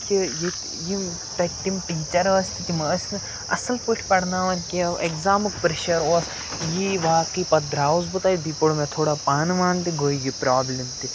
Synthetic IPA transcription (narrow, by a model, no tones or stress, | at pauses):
kiji | ji | t̪ɐʈːimʈiːt͡ʃɐɾəːsʲt̪ikiməsʲn | ɐ̰sɐlpɨʈʰʲpɐɽnaːʋɐnkiʔekzaːmɨkpɾeʃɐɾoːs | jiʋaːkipɐd̪ɾaːwzbɨt̪aːid̪ipɐɽumẽt̪ʰoːɽapaːnʋaːnt̪iɡoːiɡipɾaːblʲimt̪i